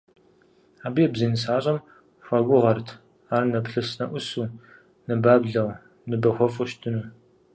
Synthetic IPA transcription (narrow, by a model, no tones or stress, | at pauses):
aːbijɛbziːnɨsaːɕʼɐm | ɕʷɐɡʷʊʁɐrtʰ | aːrnɐpɬɨsnɐʔʷʊsuː | nɨbaːbɮɐw | nɨbɐxʷɔfʼʊʃtʰɨnuː